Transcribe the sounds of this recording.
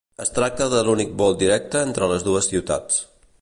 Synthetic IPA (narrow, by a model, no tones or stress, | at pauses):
əst̪ɾak̚t̪əðəlunik̚bɔlˠd̪iɾɛk̚t̪əent̪ɾələzðuəsiwt̪a̰t͡s